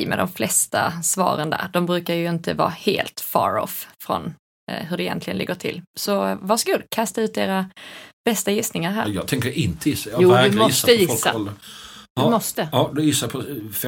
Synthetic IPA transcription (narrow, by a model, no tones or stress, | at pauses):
mɛ̰d̪ɔmflɛst̪asvɑːɾənd̪æ̰ːɾɖ̪ɔmbɾʉ̟ːkaɾjɵɪnt̪əvɑ̰ːheːlt̪fɑ̰ːɾɔ̰ffɾɔ̰n | ɦɵɖɛjɛ̰nt̪ʰlɪɡənɪ̰ɡːəʈʰɪ̰lsɔvaʂɔɡuːd̪kʰast̪aʉ̟t̪d̪eːɾab̥ɛst̪ajɪsnɪŋaɾɦæːɾjɑːɡt̪ʰɛŋkəɪnt̪əjɪsːajuːæd̪mɔɪssːəjɪfssːaɔld̪ə | mɔst̪əɑd̪ɛjɪsːapʰɔfɛ